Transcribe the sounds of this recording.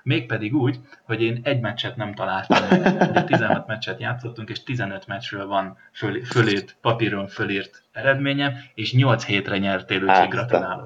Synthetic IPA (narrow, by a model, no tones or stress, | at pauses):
meːk̚pɛd̪iɡuːɟ | ho̞ɟeːnɛɟmɛt͡ʃːɛt̪nɛmt̪ɒlaːlt̪ɒɛt̪izɛnhɒt̪mɛt͡ʃːɛt̪jaːt̪sːo̞t̪ːuŋkeːʃt̪izɛnøt̪mɛt͡ʃrøːlvɒn | føføleːt̪pɒpiɾoɱfølirt̪ | ɛɾɛd̪meːɲɛmeːʃɲolt̪sheːt̪rɛɲɛrt̪eːløːʃiɡrɒt̪naːlo